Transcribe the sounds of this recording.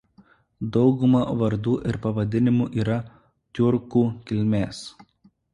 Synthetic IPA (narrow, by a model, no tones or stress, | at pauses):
d̪ɒʊɡʊmɐʋɐɾd̪uːʔɪɾpɐʋɐd̪ʲɪnʲɪmuʔiːɾɐ | t̪ʲʊɾkuːkʲɪlʲmʲeːs